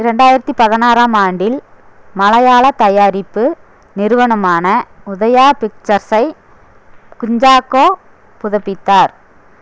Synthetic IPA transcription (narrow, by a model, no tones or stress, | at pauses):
ɪɾɐɳɖaːjɪɾɐt̪ːipɐðɐnaːɾaːmaːɳɖɪl | mɐlɐjaːɭɐt̪ːɐjaːɾɪpːɯ | nɪɾɯʋɐɳɐmaːnɐʊðɐjaːpɪk̚t͡ʃɐɾsɐɪ | kʊɲd͡ʒaːkoː | pʊðɐpːɪt̪ːaːɾ